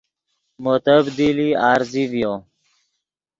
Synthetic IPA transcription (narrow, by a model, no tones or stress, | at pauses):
mot̪əbd̪iliaːɾzivjo